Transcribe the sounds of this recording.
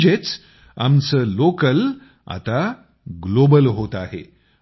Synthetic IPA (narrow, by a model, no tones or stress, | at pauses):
d͡ʑet͡s | a̰msəlokəl | a̰t̪a | ɡlobəlɦot̪aɦḛ